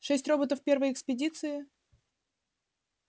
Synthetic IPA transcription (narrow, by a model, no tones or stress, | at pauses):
ʂɛsʲtʲro̞bət̪əfpʲe̞rvəjɪkspʲɪdʲit̪sɨɪ